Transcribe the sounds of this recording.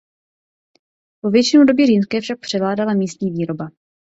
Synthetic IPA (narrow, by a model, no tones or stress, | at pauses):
vo̞vjɛt͡ʃɪnudo̞bjɛʒiːnskɛːfʃak̚pr̝̥ɛvlaːdalamiːst̪ɲiːviːɾo̞ba